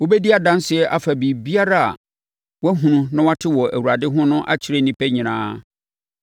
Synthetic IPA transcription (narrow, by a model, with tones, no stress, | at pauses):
wo˦bɛ˦di˦a˨dã˦n˦sɪ˨ɛ˦ʔa˨fa˨bi˨bi˦a˦ɾa˦a̰˨ | wɔ˦ɦũ˨nũ˦nã˦wa˦tʰɪ˦wɔ˨æ˨wu˨ɾa˨dɪ˦ɦʊ̃˦nʊ̃˦ʔa̰˦t͡ɕʰɪ˨ɾe˦nĩ˦pʰɛ˦ɲĩ˨nã̰ː˦